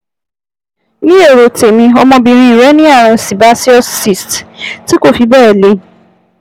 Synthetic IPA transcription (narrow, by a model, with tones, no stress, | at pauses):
nĩ˦e˦˨ɾo˨te˨mĩ˧ɔ˧mɔ̃˧bi˧ɾ̃ĩ˧˦˨ɾɛ˨˦nĩ˦a˦˨ɾ̃ã˧˨si˨ba˨˦si˦ɔ˦si˨stti˦ko˦˨fi˧bɛː˦˨le˨˦